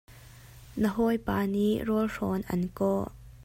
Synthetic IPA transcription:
nəɦɔjpaːniʔrɔlrɔnʔɐ̰nkɔʔ

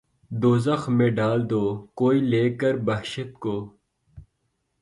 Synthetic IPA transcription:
d̪oːzɐxmẽɖaːld̪oːkoːiːleːkəɾbɐɦʃət̪̚koː

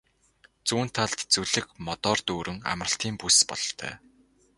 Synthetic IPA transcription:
t͡suːn̥t̪ʰːaɮt̪t͡suɮɘ̆kmɔt̪ɔːrt̪uːɾʔɵ̆ŋa̰mrə̆ɬt̪iːmpuspɔ̰ɮɞ̆t̪ʰœ̰ː

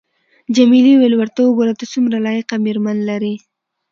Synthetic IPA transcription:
d͡ʒamiliwelwaɾt̪oboɾat̪at͡sumɾalɑjeqamiɾmanlaɾi

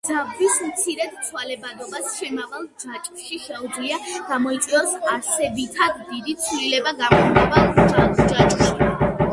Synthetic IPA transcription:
d̪z̥abvismt̪sʰiɾɛt̪t̪sʰwalɛbad̪ɔbasʃɛmavalˠd͡ʒat͡ʃʼʃiʃɛud̪zliaɡ̥amɔit̪sʼwiɔsaɾsɛbit̪ʰad̪d̪id̪it̪sʰvlilɛbaɡamχud̪ɛbat͡ʃʼaisd͡ʒat͡ʃʼʃi

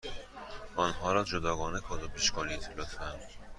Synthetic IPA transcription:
ʔɒnɦɒːɾɒːd͡ʒod̪ɒːɡɒːnekʰɒːd̪obiʃkʰɒːlit̪ʰelɔt̪ʰæn

